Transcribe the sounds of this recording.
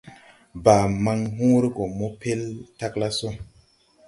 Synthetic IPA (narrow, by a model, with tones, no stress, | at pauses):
baː˨ma˧ŋɦũ˦ɾi˦ko˨mo˦pʰe˦lta˦kla˦so˦